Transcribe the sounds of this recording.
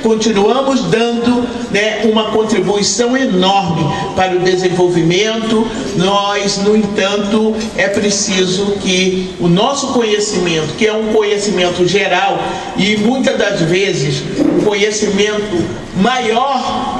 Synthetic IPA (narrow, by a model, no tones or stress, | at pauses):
kõnt͡ʃinuɐ̃mʊzd̪ɐ̃nd̪ʊ | nɛũmɐkõnt̪ɾibuisɐ̃w̃enɔɾmɪ | paɾɐʊd̪ezẽvowvimẽnt̪ʊ | nɔznʊ̃ẽt̪ɐ̃nt̪ʊ | ɛpɾesizʊkɪ | ʊnɔsʊkõɲesimẽnt̪ʊ̥kɪɛũkõɲesimẽnt̪ʊʒeɾaw | ɪmũj̃t̪ɐd̪ɐzvezɪs | ũkõɲesimẽnt̪ʊ | majɔɾ